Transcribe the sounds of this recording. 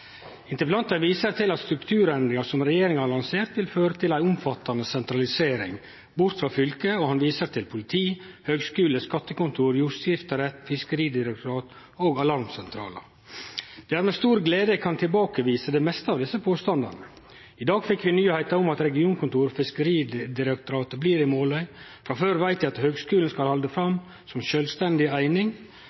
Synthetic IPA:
ɪnt̪əplɑnt̪əʋiːsəɾt̪ʰɪlɑt̪st̪ɾʉkt̪ʰʉːɾɛnd̪ɾɪŋɑsɔmɾɛjeːɾɪŋɑlɑnseːɾt̪ʋɪlføːɾət̪ʰɪlæɪʊmfɑt̪ːɑnəsɛnt̪ɾɑlɪseːɾɪ̰ŋ | bʊɾt̪fɾɑfʏlkəɔhɑnʋiːsət̪ʰɪlpʰʊlɪt̪ʰiː | høːɡskʉːləskɑt̪ːəkʊnt̪ʰuːɾjuːɾsɪft̪əɾɛt̪ːfɪskəɾiːd̪ɪɾɛkt̪ʊɾɑːt̪ | oːɡɑlɑɾmsɛnt̪ʰɾɑ̰ːlə̰ | d̪̥ɛæːɾmɛst̪uːɾɡleːd̪əkʰɑnt̪ʰɪlbɑːkəʋiːsəd̪ɛmɛst̪əɑʋd̪ɪsːəpʰoːst̪ɑnd̪ɑ̰nə | ɪd̪ɑːɡfɪkːʋɪnyːhæɪt̪ɑʊmɑt̪ɾɛɡɪuːnkʊnt̪uːɾfɪskəɾiːd̪ɪɾɛk̚t̪ʊɾɑːt̪əbliːɾɪmoːlœʏ | fɾɑføːɾʋæɪt̪ʋɪɑt̪høːɡskʉːln̩skɑlhɑld̪əfɾɑm | sɔmʃœlst̪ɛnd̪ɪæɪnɪŋ

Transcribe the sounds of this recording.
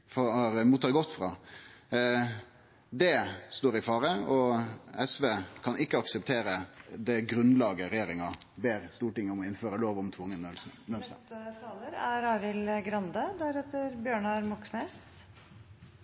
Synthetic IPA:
fɔɑɾmuːt̪ːɑɾɡɔt̪ːfɾɑ̰ː | d̪ɛst̪oːɾɪfɑːɾəɔɛsʋeːkʰɑnʔɪkːəɑksəp̚t̪ʰeːɾəd̪ɛɡɾʉnlɑːɡəɾɛjeːɾɪŋɑ | beːɾst̪uːʈɪŋːəɔmɔɪnføːɾəloːʋɔmt̪ʰʋʊŋːənøːlsn̩œmst̪ɑ̰t̪ʰɑːləɾæɾɑːɾɪlɡɾɑnd̪əd̪æɾheːt̪ːəɾbjøːɳɑɾmɔksneːs

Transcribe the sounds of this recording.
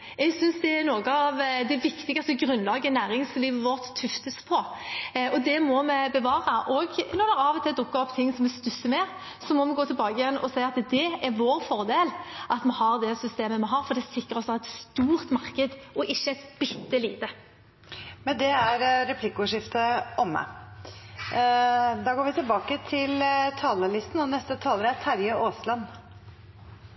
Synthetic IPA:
ɛɡsʏnsd̪ɛɛnoːɡəɑʋd̪ɛʋɪkt̪ɪɡɑst̪əɡɾʉnːlɑːɡənæːɾɪŋsliːʋəʋɔɾt̪ʰːʉft̪əspʰɔ | ɔd̪ɛmɔmɛbəʋɑːʁɑʔɔɡnɔɾd̪ɛʁɑʋɔt̪ʰɪld̪ʊkːɑɔpːt̪ʰɪŋːsɔmɛst̪ʉsːəmɛ | sɔmɔmɛɡoːt̪ɪlbɑːɡəjɛnːɔsæɪɑt̪d̪ɛɛɾʋoːɾfɔɾd̪eːlʔɑt̪mɛɦɑɾd̪ɛsʏst̪eːməmɛɦɑːɾfɔɾd̪ɛsɪkːəɾɔsɔɛt̪st̪uːɾt̪mɑʁkəd̪ʔɔʔɪʃːəæɪt̪b̥ɪt̪ːəliːd̪ə | mɛnd̪ɛæɾɾɛpʰlɪkːəʊʂɪft̪əʔɔmːə̰ | d̪ɑːɡoːɾʋɪt̪ʰɪlbɑːkət̪ʰɪlt̪ʰɑːləlɪst̪n̩ɔnɛst̪ət̪ʰɑːləɾæt̪ʰæɾjəʔoːslɑnː

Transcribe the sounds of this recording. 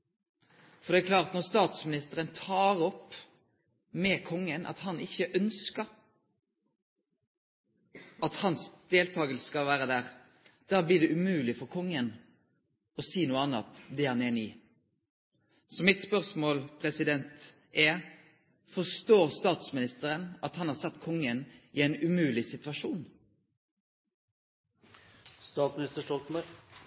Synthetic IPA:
fɔɾd̪ɛːkʰlɑːʁt̪nɔʁst̪ɑːt̪smɪnɪst̪əɾənt̪ʰɑːɾɔp | mɛkʰɔŋːənʔɑ̰t̪hɑnɪçːəʔœnskəɾ | ɑt̪hɑnsd̪̥eːlt̪ʰɑːɡəlskɑlʋæːɾəd̪æːʁ | d̪̥æːblɪːd̪ɛʔʉmʉːlɪfɔɾkʰɔŋːən | ɔsiːnuːəɑnːɑ̰t̪d̪ɛhɑneːniː | sɔmɪt̪spœʁsmoːlpʰʁɛsɪd̪ɛnt̪ | ɛ | fɔʁst̪oːʁst̪ɑːt̪smɪnɪst̪əɾənɑt̪hɑnhɑːɾsɑt̪ːkʰɔŋːənɪɛɪnʉmʉːlɪsɪt̪ʉʋɑʃuːn | st̪ɑːt̪smɪnɪst̪əʂʈɔlt̪mɑɾ

